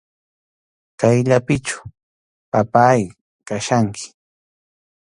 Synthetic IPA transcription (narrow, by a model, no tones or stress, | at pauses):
t̪ajʎapɪt͡ʃḁ | papaːj | kaʃaŋkʰɪ̥